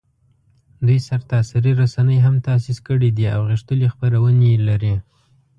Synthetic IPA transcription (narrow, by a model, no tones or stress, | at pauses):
d̪ujsaɾt̪ɑsiɾiɾasanəjɦamt̪ɑsiskəɽid̪ia̰wɣɪʂt̪əlexpaɾawənelaɾi